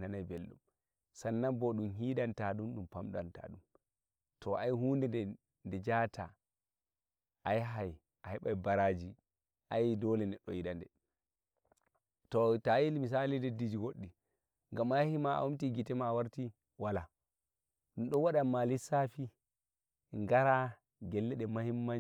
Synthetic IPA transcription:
nanajbelɗṵm | sanːambɔɗumɦiːɗantaɗumɗumpamɗanta̰ɗum | tʰɔʔajhuːndɛdɛ | ndɛd͡ʒatʰa̰ | ʔajɦaj | ʔahɛɓajbaɾad͡ʒi | ʔajdɔlɛnɛɗɔjiɗandɛ | tɔtajilmis̬alidedːid͡ʒiɡoɗːi | ŋɡamahimaa̰wumtiɡitɛmawaɾti | wala | ɗumɗɔwaɗamalisafi | ŋɡaɾa | ɡɛlːɛɗɛmahimːa

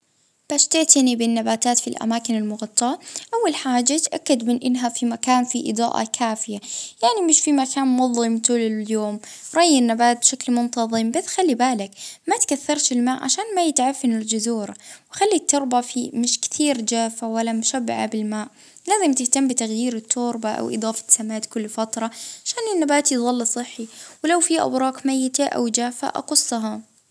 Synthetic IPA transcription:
b̥aʃt̪ɪʕt̪ɪnibɪnːabaːt̪aːt̪filʔa̰maːkɪnɪlmʊɣɑt̪ˤːɑʔawːalħaːd͡ʒːat̪ʔakːad̪mɪnʔɪnːɦafimakaːnfiʔɨ̰d̪ˤɑ̰ːʔɑ̰kʰaːfɪjajaʕnimɪʃfimakaːnmʊðˤːɨmt̪uːlɪjoːmɾˤɑjːɪnːabaːt̪̚bʃaklmʊnt̪ɑðˤɨmbaθxalːibaːlɪkmat̪kaθːɑɾˤt̪ɪlmaːʔʕa̰ʃaːnmajɪt̪ʕafːɪnɪld͡ʒʊzuːɾˤawxalːit̪ːʊɾˤbafimɪʃkt̪ʰiːɾd͡ʒaːfawalːamʊʃabːɪʕa̰bɪlmaːʔ | laːzɪmt̪ɪht̪amːbɪt̪aɣjiːɾɪt̪ʰːʊːɾbaʔa̰wʔɨ̰d̪ˤɑːfɑ̥samaːt̪kʊlːfat̪ɾˤɑʕaʃaːnɪnːabaːt̪jðˤɑlːsˤɨħːiwɪlawfiʔa̰wɾˤɑːqmajːɪt̪aʔa̰wd͡ʒaːfa̰ʔɑ̰qʊsˤːɑɦɑ

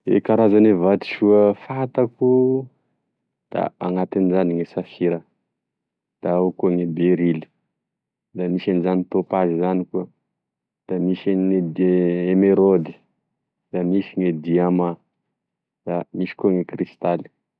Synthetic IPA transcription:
ḛkaɾazanevat̪i̥ʃuəfat̪aku | d̪̥a̰aŋat̪inizaniŋesafiɾə | d̪̥aokuŋebeɾili̥ | d̪amiʃanizanit̪opazizanikuə | d̪̥amiʃeed̪eemeɾod̪i̥ | d̪̥amisiŋed̪iama | d̪̥amiʃi̥kuŋekrist̪ali̥

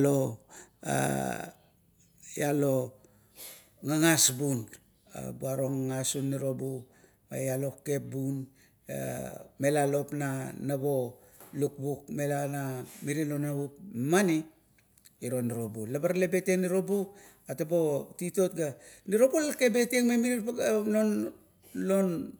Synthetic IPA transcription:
lo | a̰ | jalo̞ | ŋaŋasbun | a̰buaɾo̞ŋaŋasunːiɾo̞bu | a̰jalo̞ke̞p̚bun | a̰me̞lalo̞pnanabo̞ | luk̚buk̚me̞lanamiɾilo̞naup̚mani | iɾo̞niɾo̞bulabaɾalebe̞te̞niɾo̞buk | atabo̞tito̞t̚ɡaniɾo̞bulake̞be̞teŋmemiɾinon | lon

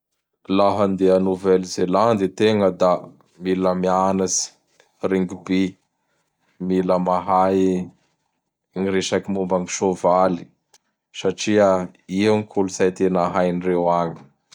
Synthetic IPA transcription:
laɦənd̪eanuvɛlzeland̪it̪eŋəd̪a | miləmianasi̥ | reŋɡibe | miləmaɦaj | ŋiɾeʃakimumbaŋiʃovali̥ | saʈ͡ʂiəiaŋikʰulusajt̪enaɦajnirewaɲi̥

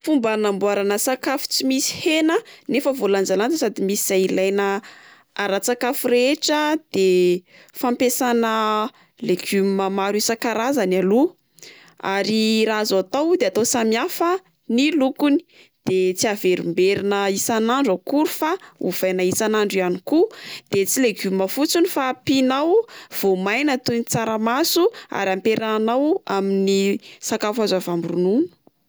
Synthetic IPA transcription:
fumbanambuaɾanəsakafu̥t͡simisi̥henənefəvoland͡ʒalant͡s̪əsad̪imisiz̥ailajnə | aɾat͡sakafuɾeʈ͡ʂəd̪̥e | fampesanə | leɡʰymmamaɾisakaɾazanalu | a̰ɾiɾazat̪awd̪eat̪osamiafə | nilukuni̥ | d̪̥et͡siaveɾumbeɾinəisanaɳɖ͡ʐakuɾufaṵv̥ajnaisanaɳɖ͡ʐianikud̪̥et͡sileɡuməfut͡sunifapinawv̥omajnat̪unit͡saɾəmasua̰ɾampeɾaanawaminisakafazavambrununu̥

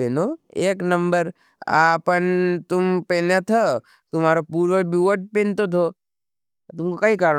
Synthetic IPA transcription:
enoeːknɐmbəɾ | aːpənt̪ʊmpenet̪ʰə | t̪ʊmaːɾopuːɾʋəbuʋəʈ̚pent̪ot̪ʰoː | t̪ʊmkokɐikaːɾ

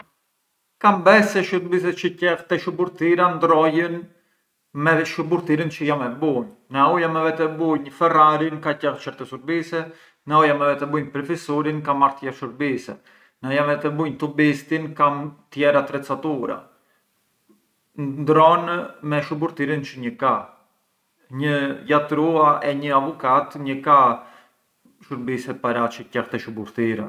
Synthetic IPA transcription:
kambɛsɛʃuɾbis̬ɛt͡ʃəcɛxt̪ɛʃubuɾt̪iɾand̪ɾɔjən | mɛʃubuɾt̪iɾint͡ʃəjamɛbunːaujamɛvɛt̪ɛbuɲfɛraɾinkacɛɾt͡ʃɛɾt̪ɛsuɾbisɛ | naujamɛvɛt̪ɛbuɲpɾɛfisuɾinkamaɾt̪jɛʃuɾbisɛ̰ | naɔjamvɛt̪ɛbujɲt̪ɔbist̪inkamt̪jɛɾat̪ɾɛt͡sat̪uɾa̰ | nnd̪ɾɔnmɛʃubuɾt̪iɾint͡ʃəɲəka | ɲəjat̪ɾuaʔɛɲəavɔkat̪ɲəka | ʃuɾbisɛt̪̚paɾat͡ʃəcaxt̪ɛʃubuɾt̪iɾɛ̰

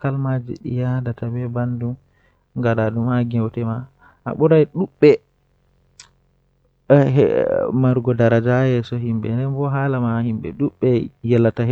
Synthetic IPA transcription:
kalmad͡ʒḭɗḭjadatabɛbandum | ŋɡadadumaɡɛwtɛma | ʔa̰ɓuɾajɗuɓːɛ | maɾɡɔdaɾad͡ʒajɛsɔɦimbɛ̰ndɛnbɔɦalamahimbɛ̰ɗuɓːɛjɛlːatah

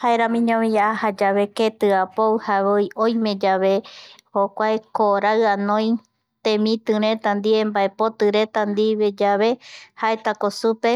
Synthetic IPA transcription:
haeɾãmĩɲõmiaʔahad͡ʒaβe̞ket̪ɨapowhaβojojmẽ̞d͡ʒaβe̞hokʷaekoɾaɨanõj̃ | t̪ẽmĩt̪ɨ̃ɾ̃ẽ̞t̪and̪iẽ̞mbae̞po̞t̪ɨɾet̪and̪iβe̞d͡ʒaβe̞haet̪akosupe

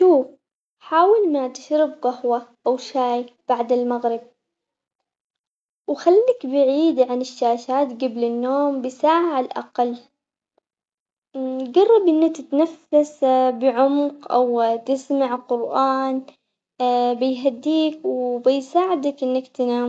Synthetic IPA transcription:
ʃuːf | ħaːwɪlmat̪ɪʃɾɪbqahwaʔawʃaːjb̥aʕd̪ɪlmaɣɾɪb̚ | wxalːakbɪʕiːd̪ʕanɪʃːaːʃaːt̪ɡablɪnːoːmbɪsaːʕaʕalʔa̰qɑlː | ɡɑrˤːɑbʔɪnːakt̪ɪt̪nafːasbɪʕʊmqʔawt̪ɪsmaʕqʊɾʔaːn | bɪjɦad̪ːiːkwbɪjsaːʕɪd̪akʔɪnːakt̪ɪnaː

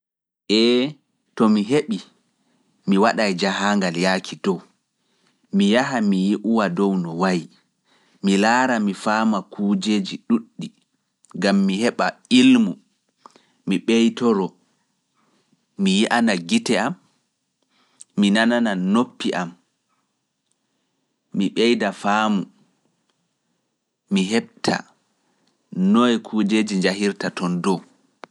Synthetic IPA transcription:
ʔɛ | tɔmiɦeɓi | miwaɗajd͡ʒaɦaːŋɡaljaːkʰidɔw | mijaɦamijiʔuwadɔwnɔwaji | milaːɾamifaːmakʰuːd͡ʒed͡ʒiɗuɗːi | ɡamːihɛɓailmu | miɓejtɔɾɔ | mijiʔanaɡitɛam | inanananopːiʔam | miɓɛjdafaːmu | iɦɛɓ̚tʰa̰ | nɔjɛkʰuːd͡ʒeːd͡ʒiɲd͡ʒahiɾtatɔndɔ

